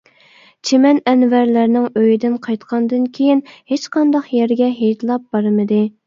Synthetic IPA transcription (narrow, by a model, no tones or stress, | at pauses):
t͡ʃʰemɛnɛnvæɾlæɾnɪŋøjid̪ɪnqʰɑjt̪qʰɑnd̪ɨnkʲʰejinhet͡ʃqʰɑnd̪ɑχjɛɾɡʲɛɦejt̪lˠɑp̚bɑɾmɨd̪ɨ